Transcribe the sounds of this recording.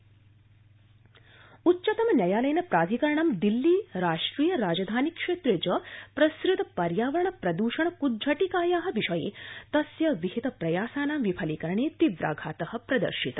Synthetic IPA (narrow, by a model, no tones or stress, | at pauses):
utːʃɐt̪ɐmɐnʲjɐjaːlɐjnɐpɾaːd̪ʱikɐɾɐɳɐmd̪ilːiːɾaːʂʈɾiːjɐɾaːd͡ʒɐd̪ʱaːnikʃeːt̪ɾed͡ʒɐpɾɐsɾɪt̪ɐpɐɾjaːʋɐɾɐɳɐpɾɐd̪uːʃɐɳɐkud̪d͡ʒʱɐʈikaːjaːɦɐ̆ʋiʃɐjḛːt̪ɐsjɐʋiɦit̪ɐpɾɐjaːsaːnaːmʋipʰɐlikɐɾɐɳeːt̪iʋɾa̰ːɡʱaːt̪ɐhɐ̆pɾɐd̪ɐ̰ɾʃit̪ɐ̥